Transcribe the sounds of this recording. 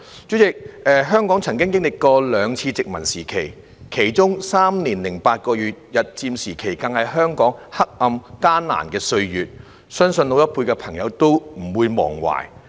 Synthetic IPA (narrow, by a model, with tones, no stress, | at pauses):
t͡ʃy˨˥ɪ˨k̚ɛː˨ɦœː˥ŋkɔː˨˥ŋt͡sʰɐ˨˩ŋkɪ˥ŋkɪ˥ŋlɪ˨kːɔː˧lœː˨˧ŋt͡sʰiː˧t͡sɪ˨k̚mɐ˨˩nsiː˨˩kʰe˨˩j | kʰe˨˩jt͡sʊ˥ŋsaː˥mniː˨˩nlɪ˨˩ŋpaː˧t̚kɔː˧jyː˨t̚jɐ˨˩t̚t͡siː˧msiː˨˩kʰe˨˩jkɐ˨ŋhɐ˨jɦœː˥ŋkɔː˨˥ŋhɐ˥k̚ʔɐ˧mkaː˥nna̰ː˨˩nkɛː˧sɵ˧ɥjyː˨t̚ | sœː˥ŋsɵ˧no˧wt̪ɐ˥t̚pʰuː˧jkɛː˧pʰɐ˨˩ŋjɐ˨˧wt̪o˥wm̩˨˩wuː˨˧jmɔ̰ː˨˩ŋwa̰ː˨˩j